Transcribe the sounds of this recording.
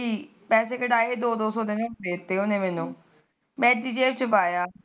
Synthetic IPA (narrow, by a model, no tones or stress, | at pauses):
iː | pɛːs̬eːkəɖaːeːd̪oːd̪oːsɔːd̪enːdeːt̪ːeːʊnẽːmɛːnũː | mɛ̃ːd̪iːd͡ʒeːʋt͡ʃəpaːjaː